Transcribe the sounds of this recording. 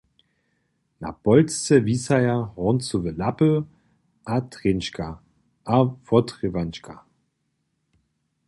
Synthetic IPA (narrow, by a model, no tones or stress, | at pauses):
na̰pɔlst͡sɛvisajaʁɔnt͡suvəlapə | ʔatʁenʃka | ʔafɔtʁivant͡ʃka